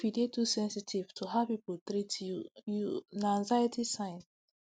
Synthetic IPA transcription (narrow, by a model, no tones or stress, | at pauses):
fidetusɛ̃nsitʰivtʰuɦapipult̪ɾitujunãnzajatʰisãj̃n